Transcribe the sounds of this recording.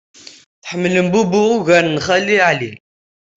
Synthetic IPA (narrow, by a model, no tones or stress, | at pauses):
θħəmːləmbubʊʁuʝæɾnχælːiʕli